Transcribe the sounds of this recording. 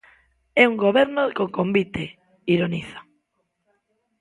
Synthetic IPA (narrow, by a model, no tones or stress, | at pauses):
ɛuŋɡoβɛɾnokoŋkombit̪e | iɾoniθḁ